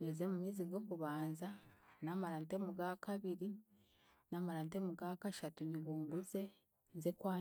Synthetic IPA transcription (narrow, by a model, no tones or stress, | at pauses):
ezemumiːziɡo̞ːkuβaːnzanamaɾaːntemuɡakaβiɾi | naːmaɾantemuɡakaʃatuɲiβuːmbuze̞ | nzekwaː